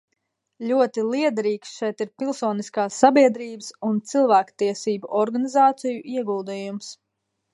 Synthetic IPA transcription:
lʲuɔt̪ilˠiɛd̪ɾiːksʃɛjt̪iɾpilˠsɔːniskaːsːabiɛd̪ɾiːbəsunt̪silˠvæːkt̪iɛsiːbuʔɔɾɡanizaːt̪sijuʔiɛɡulˠd̪iːjums

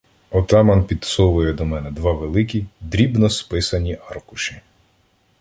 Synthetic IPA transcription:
ɔt̪ɑmɐnpʲid̪sɔʋʊjɛd̪ɔmɛnɛd̪ʋɑʋelˠɪkʲid̪ɾʲibnɔspɪsɐnʲiʔɑrkʊʃɪ

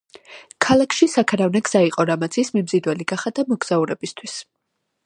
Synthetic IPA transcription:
kʰalˠakʰʃisakʰaɾavnɛɡz̥aiqʼɔɾamat̪sʰismimzid̪wɛliɡ̥aχad̪amɔɡz̥auɾɛbist̪ʰwis

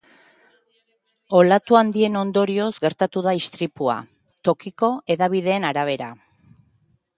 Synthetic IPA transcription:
o̞lat̪uand̪ie̞no̞nd̪o̞ɾio̞zɡe̞ɾt̪at̪uðaist̪ɾipua̰ | t̪o̞kiko̞e̞ðaβ̞ið̞e̞ːnaɾaβ̞e̞ɾa

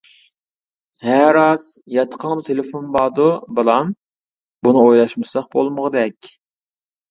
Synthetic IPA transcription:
hæɾɑz̥jɑt̪ʰə̥qʰəŋd̪ɨt̪ʰelɪfonbɑːd̪ubɨlˠɑm | bunɨojlˠɑʃmɨsɑχ̚bolˠməʁəd̪ɛkʲ

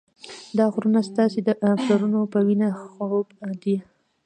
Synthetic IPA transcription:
d̪ɑxʊɾunast̪ɑsed̪əʔafzaɾunopəwinaxɾobd̪i

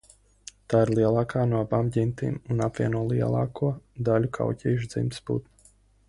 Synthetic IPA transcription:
t̪aːiɾlˠiɛlˠɑːkaːnuɔabaːmɟint̪ḭːmunapvʲiɛnuɔlˠiɛlˠɑ̰ːkʰuɔd̪alʲukʰa̰wcʲiːʃ̬d̪z̥ḭmt̪sbṵt̪na

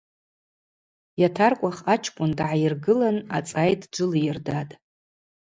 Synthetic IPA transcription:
jatʰarkʷʼaχat͡ʃʰkʷʼʊndʕajɪrɡɨlana̰t͡sʼajtʼd͡ʒʷʊlijɪrdatʼ

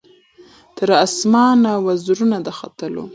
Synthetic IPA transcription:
t̪ʰəɾasmɑnawazɾunad̪əxa̰t̪əlo̰

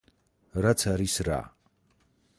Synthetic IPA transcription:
ɾat̪sʰaɾisɾa̰

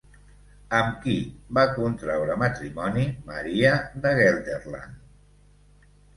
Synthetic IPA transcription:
əmkibakunt̪ɾawɾəmət̪ɾimɔnimə̰ɾiəðəɣɛld̪erla̰n

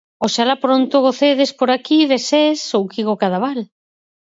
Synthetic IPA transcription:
oʃalapɾont̪oɣoθeðespoɾakiðesesowkiɣokaðaβal

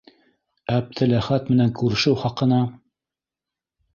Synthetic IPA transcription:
æb̚t̪ɘlæχæt̪mɘ̆næŋkʉɾɘ̆ʃɘwχɑqɤ̆nɑ

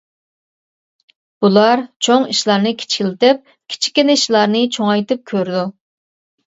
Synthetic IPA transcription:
b̥ulˠɑɾt͡ʃʰoŋiʃlˠɑɾnɨkʲʰi̥t͡ʃʰi̥kʲilɪt̪ɪp̚ | kʲʰi̥t͡ʃʰi̥kʲːinɪiʃlˠɑɾnɨt͡ʃʰoŋɑjt̪ɨp̚kʲʰøɾd̪u

